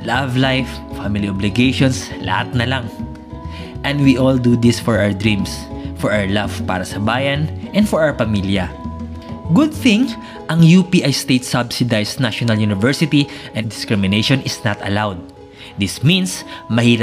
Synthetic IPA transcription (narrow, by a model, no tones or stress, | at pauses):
lavlajffamɪliɔblɪɡejʃɔnslɐ̰hat̪̚nɐlaŋ | ʔɛ̃nd̪wiʔɔld̪ud̪isfɔɹawəɹd̪ɹĩmsfɔɹawɛɹlavpa̰ːɾɐsɐbaːjɐnʔɛ̃nd̪fɔɹʔawɛpɐmiljɐ | ɡʊd̪̚θɪ̃ŋ | ʔɐŋjupiʔajst̪ejt̪̚sabsɪd̪ajsnaʃɔnɐljunɪvɛɹsɪt̪iʔɛ̃d̪ɪskɹɪmɪnejʃɔnɪsnat̪ɐ̰lawd̪̚ː | ɪsmĩnsmɐhiːɾɐ